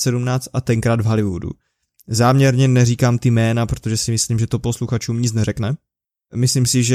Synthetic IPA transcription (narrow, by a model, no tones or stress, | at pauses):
sɛdumnaːt͡st̪ʔat̪ɛŋkɾaːd̪vɦalɪvṵdṵ | zaːmɲɛɾɲɛnɛriːkaːmt̪ɪmɛːnapɾot̪o̞ʒɛsɪmɪsliːmʒɛt̪opo̞sluxat͡ʃuːmɲɪt͡snɛɾɛknɛ | mɪslimsɪʒɛ